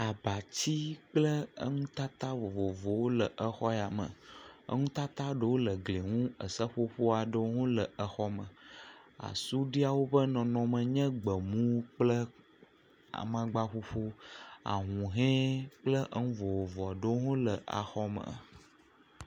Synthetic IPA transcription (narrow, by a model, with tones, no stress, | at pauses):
a˨ba˨t͡ɕi˦k͡plə˦ə˦ŋũ˦t̪a˦t̪a˦vo˨vo˨vo˨wo˦lə˨ʔə˨xɔ˦ɛ˨a˨mə̰̃˨ə̰˦ŋũ˦t̪a˦t̪a˦ɖə˨wo˦lə˨ɡle˨ŋũ˦ə̰˨sə˦ɸo˦ɸo˦a˨ɖə˦wo˦ŋũ˦lə˨ə˨xɔ˦mə̰̃˨a̰˨su˦ɖi˦a˨wo˦bə˦nɔ̃˨nɔ̃˨mə̃˨ɲɛ̃˦ɡ͡bə˨mũ˦k͡plə˦ | a̰˨mã˨ɡ͡ba˦ɸo˦ɸo˦a̰˨ɦũ˨ɦɛ̃˦k͡plə˦ʔə˦ŋũ˦vo˨vo˨vɔ˨ɖə˦wŋũ˦lə˨ʔa̰˨xɔ˦mə̰̃˨